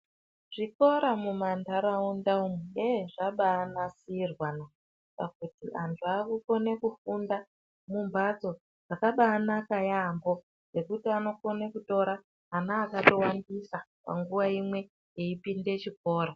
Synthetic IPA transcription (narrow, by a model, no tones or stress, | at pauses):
ʐ̥iko̞ɾamumandaɾaundaumeeʐaɓaːnasiːrwana | kakutiʔantʰuakuko̞ne̞kufunda | mumbad͡zo̞ | ʐakaɓaːnakajambo̞ | ɡe̞kutiano̞ko̞nekuto̞ɾa | ɦanaːkato̞wandisapa̰ŋɡuʋaimwe̞ | jeipinde̞t͡ʃiko̞ːɾa